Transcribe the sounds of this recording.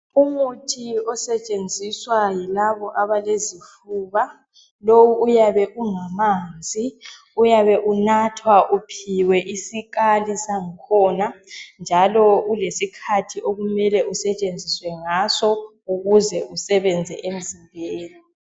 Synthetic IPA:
umutʰiɔsɛt͡ʃʼend͡zʱiswajilaβɔʔaβalezifuːβa | lowuːjaβɛʔuŋamaːnd͡zʱi | ujaβɛʔunatʰwaʔupʰiwɛʔisikalisaŋikʰɔːnand͡ʒʱalɔulesikʰatʰiʔoɣumɛlɛusɛt͡ʃʼend͡zʱiswɛŋasɔ | uɣuzɛʔusɛβɛnd͡zʱɛʔem̩zimbʱeːli

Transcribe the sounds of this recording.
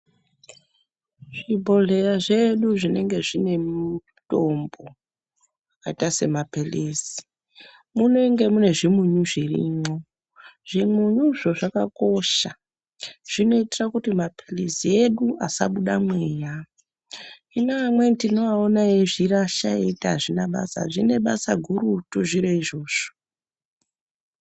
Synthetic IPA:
ʐibʱo̞ɮe̞raʐe̞ɗuʐine̞ŋɡe̞ʐine̞mu | to̞mbo̞ | akaitase̞mapeleːsi̥ | muno̞ŋɡe̞mune̞ʐimuɲuʐirḭɲo̞ | ʐ̥imuɲuʐo̞ʐaka̰ko̞ʃa | ʐ̥ino̞itirakutimapʰelisie̞ɗuasa̰ɓuɗamweːja | inamwe̞tino̞aonaeʐiraʃaḛitiaʐinaɓa̰sa̰ʐine̞ɓasa̰ɡʱuɾutoʐiɾeiʐo̞ːʐ̥o

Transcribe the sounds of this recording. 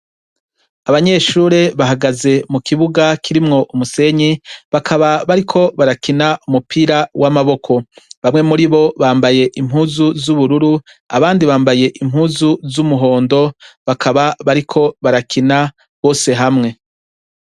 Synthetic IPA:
aβaɲe̞ːʃuːɾe̞βaɦaɡaze̞mukiβuɡakʰiɾimŋo̞ʔumuse̞ɲiβakʰaβaβaɾikʰo̞βaɾakinaumupʰiːɾawʔamaβo̞kʰo̞βamŋe̞muɾiβo̞βaːmbaje̞ʔim̥huːzuzuβuɾuɾu | a̰βaːndiβaːmbaje̞ʔim̥ɦuːzuzumuɦo̞ːndo̞βakʰaβaβaɾikʰo̞βaɾakʰina | βo̞ːse̞ɦamŋe̞

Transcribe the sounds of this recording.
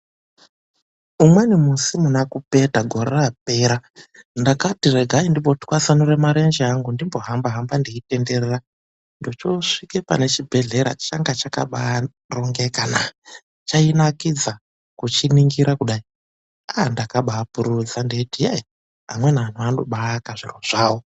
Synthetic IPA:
umwenimusimunakupe̞taɡʱo̞ɾerap̚e̞ːɾandakatire̞ɡʱaindipotkwasanoɾemaɾe̞nd͡ʒeaŋɡundimboɦambaɦambandiite̞nde̞rera | ndot͡ʃo̞ʂikepa̰ne̞t͡ʃibʱe̞ɮe̞ɾa̰t͡ʃaŋɡat͡ʃaka̰ɓa | roŋɡekana | t͡ʃainakid͡za | kut͡ʃiniŋɡiɾakuɗai | andakaɓaːpuɾud͡zandeitie | a̰mwe̞naːn̤uano̰ɓaːkaʐiroʐ̥aːwo

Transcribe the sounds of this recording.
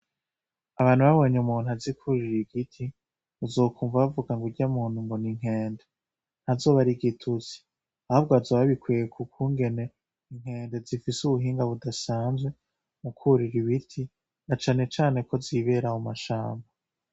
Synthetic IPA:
aβaːn̥uβaβoɲumuːn̥uazikʰuɾiɾiɡitʰi | uzo̞ːkʰuːɱvaβavuɡaŋɡuɾɟamuːn̥humboniŋ̥ɦe̞ːnde | n̥hazo̞ːβaɾiɡitʰuzi̥ | ahoβɡazaβaβikweekʰukʰuːŋɡe̞ne̞ | iŋ̥he̞ːnde̞zifisuβuɦiːŋɡaβudasaːnzwe̞ | mukʰuɾiɾiβitʰi | nat͡ʃaːne̞t͡ʃaːne̞ko̞ziβe̞ɾahumaʃa̰ːmba

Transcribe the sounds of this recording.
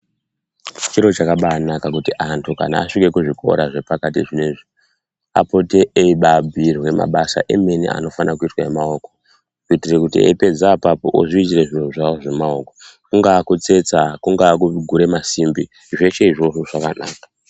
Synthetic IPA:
t͡ʃiɾo̞t͡ʃakaɓaːnakakutiʔantʰuka̰na̰ːʂike̞kuʐikʰo̞̰ɾaʐe̞pakatiʐineʐi | a̰po̞teeiɓabʱirwe̞ma̰ɓasa̰ʔeme̞nḭa̰no̞fanak̬uitwaemaoko̞ | kuitire̞kutḭḛpe̞d͡zapapoʔo̰ʐiit͡ʃireʐinuʐaoʐe̞maokokuŋɡakut͡se̞t͡sakuŋɡakuɡʱuɾe̞masimbi | ʐe̞ʃe̞iʐo̞ʐoʐakana̰ːkḁ

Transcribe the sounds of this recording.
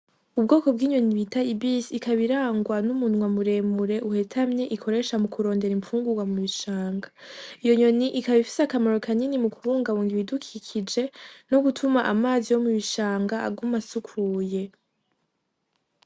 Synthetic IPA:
ub̚ɡo̞ːko̞b̚ɡiːɲo̞niβitaibisikaβiɾaːŋɡwanumunŋwamuɾe̞ːmuɾe̞ʔuhe̞tʰamɲe̞ʔikʰo̞ɾe̞ʃamukʰuɾo̞ːnde̞ɾimfuːŋɡuɡwamuβiʃaːŋɡaijo̞ɲo̞niʔikaβifi̥sakamaɾo̞kʰaninimukʰuβuːŋɡaβuːŋɡiβidukʰikʰid͡ʒe̞no̞ɡutʰumaʔamaːzijo̞muβiʃaːŋɡaʔa̰ɡumasukʰuːje̞

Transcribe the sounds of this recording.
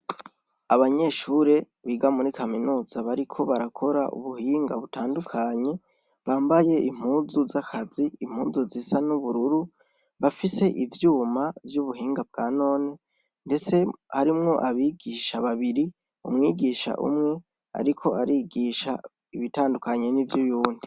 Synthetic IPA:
aβaɲe̞ʃuːɾe̞ | βiɡamuɾikʰaminuːz̥aβaɾikʰo̞βaɾakʰo̞ɾa̰ʔṵβuhiːŋɡaβutʰaːndukʰaɲe̞ | βaːmbaje̞ʔim̥huːnzuzakʰaziːm̥huːnzuzisanuβuɾuɾu | βafise̞ʔivjuːmavjuβuɦiːŋɡab̚ɡ̥aːno̞ːne | nde̞t͡se̞haɾimŋo̞ʔaβiɡiʃaβaβiɾi | ṵmŋiːɡiːʃa̰ʔṵmŋe̞ | a̰ɾikʰo̞ʔaɾiːɡiːʃa̰ | iβitaːndukaɲe̞nivjujuːndi

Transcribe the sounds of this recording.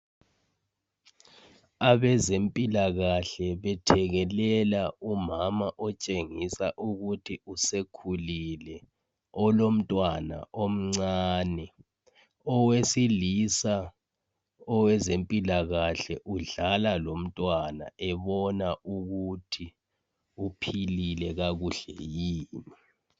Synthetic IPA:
aβɛzempʼilaɣaɬɛβɛtʰɛɣɛlɛlaumamaʔɔt͡ʃʼeŋisaʔuɣutʰiusekʰulilɛ | ɔlom̩tʼwana̰ʔom̩ŋ͡ǀaːnɛ | ɔwesilisa | ɔwɛzempʼilaɣaɬɛʔuɮalalom̩tʼwana̰ʔɛβɔnauɣutʰi | upʰililɛɣaɣuɬɛ̰jiːni

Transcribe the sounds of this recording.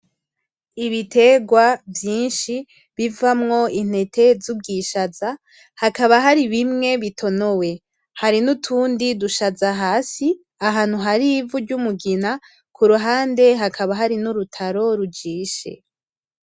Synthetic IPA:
iβitʰe̞ɡwavjiːnʃi | βivamŋo̞in̥e̞tʰe̞zub̚ɡiːʃaza | hakaβaɦaɾiβimŋe̞βitʰo̞no̞we̞ | haɾinutʰuːndiduʃazaɦaːsi | aɦaːn̥huɦaɾivuɾɟumuɡina | kʰuɾuɦaːnde̞ɦakʰaβaɦaɾinuɾutʰaɾo̞ɾud͡ʒiːʃe̞̰

